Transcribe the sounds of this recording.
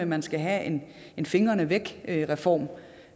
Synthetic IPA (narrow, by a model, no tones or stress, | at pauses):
əmænsɡ̥æɦæen | e̝nfe̝ŋɐnəʋeɡ̥ʁɛfɒ̰ːm